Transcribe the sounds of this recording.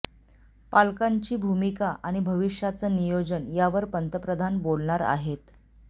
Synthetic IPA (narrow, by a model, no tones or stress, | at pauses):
palkaɲt͡ɕiːbʱumikaʔaɽ̃ibʱəʋiʂjat͡sənijod͡zənjaʋəɾpənt̪əpɾəd̪ʱanbolɳaɾa̰ɦet̪